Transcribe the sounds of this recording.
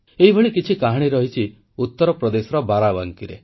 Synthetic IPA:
eɦibʱɔɭikit͡ʃʰikaɦaɽ̃iɾɔɦit͡ʃʰi | ut̪ːɔɾɔpɾɔd̪esɔɾɔbaɾabaŋkiɾḛ

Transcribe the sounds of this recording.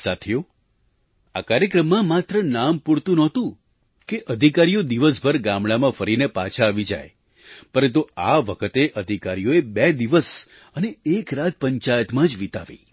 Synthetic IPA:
sat̪ʰjo | a̰kaɾjəkɾəmːãmat̪ɾənampuɽt̪ũnɔt̪ũ | keʔəd̪ʱikaɾijod̪iʋəsbʱəɾɡamɭamãfəɾinepat͡ʃʰaːʋid͡ʒa̰j | pəɾənt̪̬uaʋəkʰət̪eʔəd̪ʱikaɾijoebɛd̪iʋəs | əneekɾat̪̚pəɲt͡ʃajət̪mãd͡ʒʋit̪aʋḭ

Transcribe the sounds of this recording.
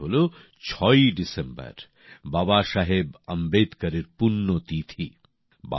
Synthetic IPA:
ɦolo | t͡ɕʰɔjɖisembɐ̰ɾ | babaʃaɦebəmbed̪kɐɾeɾpunːot̪it̪ʰi | ba̰

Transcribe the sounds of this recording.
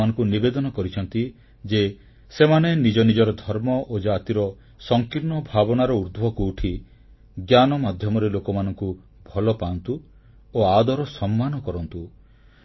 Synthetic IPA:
anɔ̃ŋkunibed̪ɔnɔkɔɾit͡ʃʰɔnt̪i | d͡ʒe | semanenid͡ʒɔnid͡ʒɔɾɔd̪ʱɔɾmɔʔod͡ʒat̪iɾɔ | sɔŋkiɾnɔbʱabɔnaɾɔuɾd̪bɔkuːʈʰi | ɡjanɔmad̪ʱjɔmɔɾelokɔmanɔŋku | bʱɔlɔpant̪u | oad̪ɔɾɔsɔmːanɔkɔɾɔnt̪u

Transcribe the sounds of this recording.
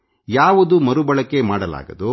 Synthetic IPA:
jaːʋud̪umɐɾubɐɭɐkːemaːɽɐla̰ːɡɐd̪u

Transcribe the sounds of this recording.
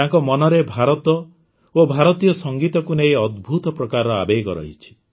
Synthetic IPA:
aŋkɔmɔnɔɾebʱaɾɔt̪ɔ | obʱaɾɔt̪ijɔsɔŋɡit̪ɔkunejɔd̪bʱut̪ɔpɾɔkaɾɔa̰bejɡɔɾɔ̰ɦj̰t͡ʃʰi̥

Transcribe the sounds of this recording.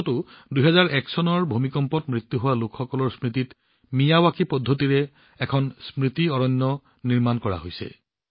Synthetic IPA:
tʊdujɦɛzaɹʔɛksɔnɔɹbʱumikɔmpɔtmɹit̪juɦowalʊkʰxɔkɔlɔɹsmɹit̬it | mijawakʰipɔdʱːotiɹɛ | ɛkʰɔnsmɹitiɔɹɔnːɔ | niɹmankɔɹa̰ɦojsɛ̰

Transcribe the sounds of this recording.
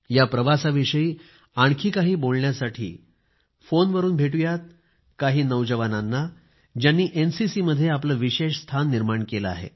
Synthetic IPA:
japɾəʋasaʋiʂəiː | aɳ̃kʰiːkaɦiːbolɳjasaʈʰḭː | fonʋəɾuːnbʱeʈujat̪̚ | kaɦiːnəwd͡ʑəʋananːa | d͡ʑjanːiːʔensisiːməd̪ʱːjeapləʋiɕeʂst̪ʰanːiɾmaɳkeləa̰ɦḛ

